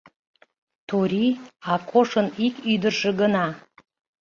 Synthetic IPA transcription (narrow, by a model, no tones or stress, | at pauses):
t̪uɾiɑkʰoʃənikyd̪ərʃə̆ɡənɑ